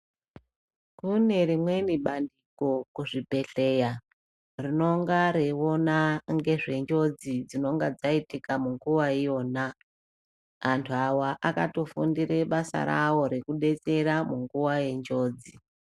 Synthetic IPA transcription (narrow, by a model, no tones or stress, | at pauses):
kune̞rimwe̞niɓandiko̞kuʐibʱe̞ɬe̞ja | rino̞ŋɡaɾeo̞naŋɡe̞ʐe̞nd͡ʒo̞d͡zid͡zino̞ŋɡad͡zaitikamuŋɡuwaijo̞ːna | antʰuawaʔakato̞fundiɾe̞ɓasa̰ɾa̰wo̞ɾekuɗe̞t͡se̞ɾamuŋɡuwaje̞ɲd͡ʒo̞ːd͡zi